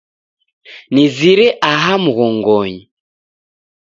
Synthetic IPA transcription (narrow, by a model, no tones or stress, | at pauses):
niziɾɛʔaɦamuɣɔŋɡɔɲi